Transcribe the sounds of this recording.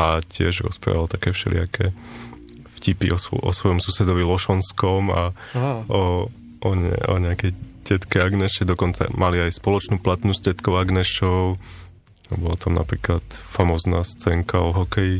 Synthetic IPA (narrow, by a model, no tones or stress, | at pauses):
acɪɛʒɾɔ̰spɾa̰ʋalt̪akɛːfʃɛ̰lɪ̰akʰɛ | fcipiʔɔsʔɔ̰sʋɔjɔmsusɛd̪ɔʋilɔʃɔnskɔma | ɔ | ɔɛ̰ɔ̰ɲɛakɛjɟɛt̪kɛaɡnɛʃɛd̪ɔkɔnt͡sa̰mʔaliajspɔlɔt͡ʃnuːplat̪nuːzɟɛt̪kɔʊaɡnɛʃɔʊ | bɔlat̪amna̰pɾiːklat̪famɔːznaːst͡sɛŋkaɔɦɔkɛji